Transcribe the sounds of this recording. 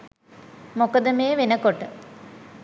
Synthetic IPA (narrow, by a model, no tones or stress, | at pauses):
mokəd̪əmeːʋenəkoʈə